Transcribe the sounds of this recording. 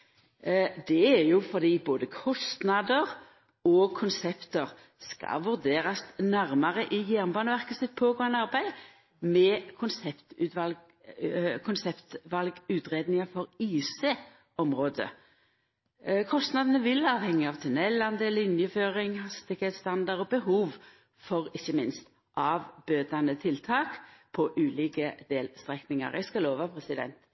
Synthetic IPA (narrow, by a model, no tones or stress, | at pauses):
d̪ɛæɾjʊfɔʁd̪iːboːd̪əkʰɔst̪nɑd̪əʁ | ɔkʰʊnsɛpt̪əʁ | skɑ̰ʋʉʁd̪eːʁɑsnæɾmɑʁəʔɪjæʁnbɑːnəʋæʁkəsɪt̪̚pʰoːɡoɑnɑʁbæɪ | mɛkʰʊnsɛpt̪ʉʋɑl | kʰʊnsɛpt̪ʋɑlɡʉːt̪ʁeːd̪nɪŋɑfɔʁiːseː | ʔɔmɾoːd̪ə̰ | kʰɔst̪nɑd̪ənəʋɪlɑːʋhɛŋːəɑʋt̪ʰʉnɛlːɑnd̪eːlɪnjəføːʁɪŋhɑst̪ɪkheːt̪st̪ɑnd̪ɑʁɔbəɦuːʋ | fɔʁɪçːəmɪnst̪ | ʔɑːʋbøːd̪ɑnət̪ʰɪlt̪ʰɑːkpʰɔʔʉːliːkəd̪eːlst̪ɾɛknɪŋɑ̰ʁæ̰ɪskɑloːʋɑpʰɾɛsɪd̪ɛ̰nt̪